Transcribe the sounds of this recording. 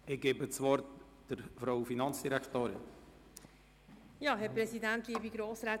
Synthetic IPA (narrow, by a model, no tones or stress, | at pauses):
ɪɡ̥eːbət͡svɔɾt | d̥əɾfɾaʊfinɑnt͡sd̥iɾɛktoːɾɪ̰n | jɑːɦɛɾpɾɛsidɛnt̚ɡ̥iːbiɡɾoːsɾɛ